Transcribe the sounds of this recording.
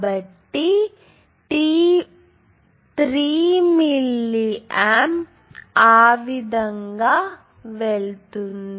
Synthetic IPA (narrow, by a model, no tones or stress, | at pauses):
bɐʈːi | ʈi | t̪ɾiːmilːiem | aːʋid̪ɐŋɡa | ʋeɭt̪und̪